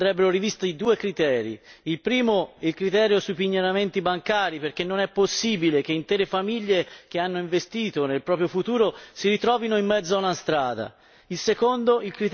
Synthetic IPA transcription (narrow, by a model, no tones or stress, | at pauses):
ɾɛbːeɾoɾivist̪aid̪uːekɾit̪ɛːɾḭilpɾiːmoilkɾit̪ɛːɾjosujpiɲːoɾament̪ibaŋkaːɾiperkenːonɛpːosːiːbilek̟eint̪ɛːɾefamiʎːek̟eanːoĩɱvest̪iːt̪onelpɾɔːpɾjofut̪uːɾosiɾit̪ɾɔːvinoimːɛd̪zoaunast̪ɾaːd̪a̰ | ilsekond̪oilkɾit̪